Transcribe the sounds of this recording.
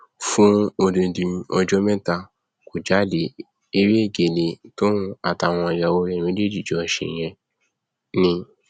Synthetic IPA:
fũ˦o˧dĩ˧dĩ˧ɔ˧d͡ʒɔ˦mɛ̃˦ta˧ | ko˨d͡ʒa˨˦˨le˨˦ | e˧ɾe˦e˦˨ɡe˨le˧to˦nũ˦a˨ta˨w̃ɔ̃˧˨ja˧˨wo˧˦ɛ̃˦˨ĩ˧˦de˦˨d͡ʒi˦˨d͡ʒɔ˨˦˧ʃḛ̃˨j̃ɛ̃˧ | nĩ˧

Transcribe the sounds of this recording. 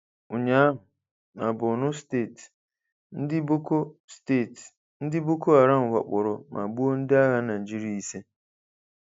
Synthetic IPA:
ʊ˨ɲa˦ɦʊ˨ | na˨bʊ˨nʊ˦ste˦˨t | n̩˦dɪ˦bo˦ko˦ste˦˨t | n̩˦dɪ˦bo˦ko˦a˨ɾa˦ŋ̩˨wa̰˨k͡pʊ˨ɾʊ˨mʔa̰˨bu˦o˦n̩˦dɪ˦a˦ɣa˦na˨d͡ʒi˦ɾa˦i˨se˦

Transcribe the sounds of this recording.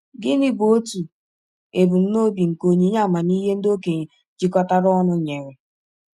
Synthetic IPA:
ɡɪ˦nɪ˦bo˨o˦tu˨ | e˨bu˨m̩˦no˦bi˨ŋ̩˨ko˨ɲi˨˦ɲa˦˨ma˨ni˦ɦe˦n̩˦do˦ke˨ | d͡ʒi˦kɔ˦ta˦ɾɔ˦nʊ˦ɲe˨ɾe˨

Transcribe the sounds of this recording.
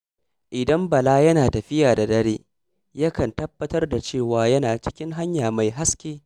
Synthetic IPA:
ʔɪ˨dɐ˦mbɐ˨laː˦jɐ˦naː˨tɐ˨ɸɪ˦jaː˨da˨dɐ˦ɽeː˦ | jɐ˦kɐ˨ntɐ˦bːɐ˦tɐ˦rda˨t͡ʃeː˦˨waː˨jɐ˦naː˨t͡ʃɪ̥˦kʲɪ˦ŋɦa˦ɲjaː˨ma˨jɦa˦skʲeː˦

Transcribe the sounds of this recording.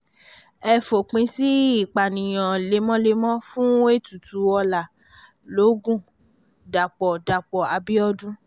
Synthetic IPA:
ɛ˧fo˨k͡pĩ˧si˦i˦˨k͡pa˨nĩ˨j̃ɔ̃˨le˨˧˦mɔ̃˦le˧mɔ̃˦fũ˦e˦˨tu˨tu˨˦ɔ˧la˨ | lo˨˦ɡũ˦˨ | da˨k͡pɔ˨da˨k͡pɔ˨a˧bi˦ɔ˦dũ˦

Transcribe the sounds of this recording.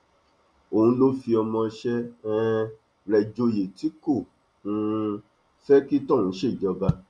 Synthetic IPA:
o˨hũ˧lo˦fi˧ɔ˧mɔ̃˧ʃɛ˦ɛ̃˦ | ɾɛ˨d͡ʒo˧je˨ti˨˦ko˦˨ | ũ˧˦ | fɛ˦ki˦tɔ̃˦˨ũ˨˦ʃe˦˨d͡ʒɔ˧ba˧

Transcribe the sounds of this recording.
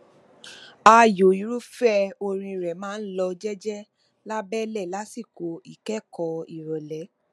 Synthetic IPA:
a˧jo˨i˨ɾu˦fɛ˦o˧ɾ̃ĩ˧ɾɛ˨mãː˦n̩˦lɔ˧d͡ʒɛ˦d͡ʒɛ˦ | la˦bɛ˦lɛ˦˨la˨˦si˦˨ko˧i˦˨kɛ˦kɔ˧i˨ɾɔ˨lɛ˨˦

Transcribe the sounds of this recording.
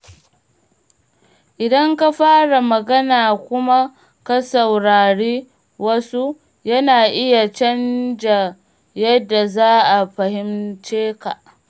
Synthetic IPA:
ʔɪ˨dɐ˦ŋka˦ɸaː˦ɽa˨mɐ˨ɡɐ˦naː˨kʷʊ˦ma˦ | ka˦sɐ˨wɽaː˨ɽeː˦ | wɐ˦su˦ | jɐ˦naː˨ʔɪ˦ja˨t͡ʃɐ˦nd͡ʒa˨ | jɐ˦dːa˨zaː˦ʔa˨ɸɐ˨hɪ˦mt͡ʃeː˦ka̰˨

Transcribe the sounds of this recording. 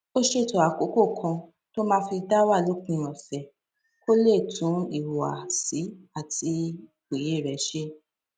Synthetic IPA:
o˦ʃe˧˦˨to˨a˨ko˨˦ko˦˨kʰã˧ | to˦mãː˧˦fi˧da˦wa˦˨lo˨˦kũ˨ã˨fɛ˨ | ko˦le˦˨tʰũ˨˦i˦˨wa˨si˨˦a˦˨tʰi˧˨ | k͡pe˨je˦˨ɾɛ˨˦ʃe˦

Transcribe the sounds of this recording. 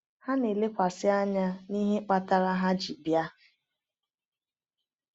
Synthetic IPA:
ha˦ne˨le˦kʷa˨sɪ˦a˦ɲa˦ni˦ɦe˦k͡pa˦ta˦ɾa˦ɦa˦d͡ʒi˨bja˦

